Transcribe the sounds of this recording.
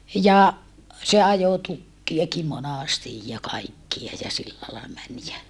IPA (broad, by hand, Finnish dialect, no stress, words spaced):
jɑ se ɑjo tukːiɑki monɑˑstij jɑ kɑikːiɑ jɑ silːæ lɑi mæn jæ